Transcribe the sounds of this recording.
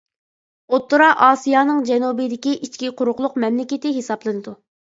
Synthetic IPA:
ot̪ːuɾɑʔɑːsijɑːnɨŋd͡ʒɛnubid̪ɪkʲiʔit͡ʃkʲiqʰʊɾʊqlˠʊqmɛmlɪkʲɪt̪ɪɦesɑblˠɨnɨd̪u

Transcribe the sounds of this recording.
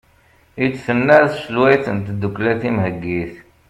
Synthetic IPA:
it͡sːθənːæθʃəlwæjθənt̪d̪ːukːlæθimhəɡːiθ

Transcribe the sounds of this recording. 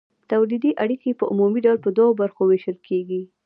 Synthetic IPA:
t̪awlid̪iʔaɽikeepəʔumumiɖawlpəd̪waɣobaɾxoweʃəlkʰeɡi

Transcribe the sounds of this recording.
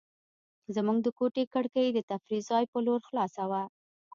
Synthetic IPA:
zamuɡd̪əkoʈekəɽkəjd̪ət̪afɾizɑjpəloɾxlɑsawa

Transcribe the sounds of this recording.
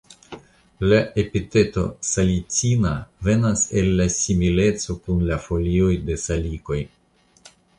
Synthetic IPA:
lae̞pite̞to̞̰salit͡sinave̞nase̞lːasimile̞t͡so̞kunlafo̞lio̞jde̞saliko̞j

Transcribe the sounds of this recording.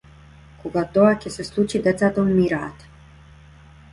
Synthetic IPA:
kʰɔɡat̪ɔakʲɛsɛslˠut͡ʃid̪ɛt̪sat̪ɔmmiɾaːt̪

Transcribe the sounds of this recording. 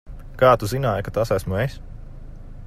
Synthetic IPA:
kaːt̪uzinaːjkat̪asæsmues

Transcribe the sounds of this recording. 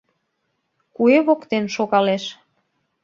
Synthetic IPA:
kueβokt̪enʃoɣɑleʃ

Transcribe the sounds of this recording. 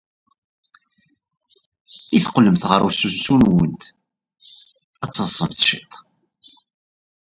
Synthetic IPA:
iθqəlːəmθʁəɾˤṵsːusunwənt̪ | æt͡sːəsˤːəmθʃit̪ˤ

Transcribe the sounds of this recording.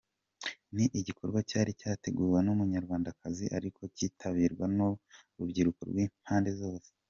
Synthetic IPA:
niʔiɟikʰo̞ɾɡwacaːɾicaːte̞ɡuːɾwenumuɲaɾɡwaːndakaziʔaɾikʰo̞ciːtʰaβiːɾɡwanoɾubɟiɾuko̰ɾɡwiːmhaːnde̞zo̞ːse̥

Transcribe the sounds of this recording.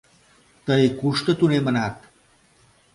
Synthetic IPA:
t̪əjkuʂʈət̪unem̤ənat̪

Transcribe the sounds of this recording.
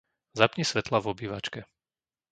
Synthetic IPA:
zapɲisʋɛt̪lavɔbiːʋat͡ʃkɛ

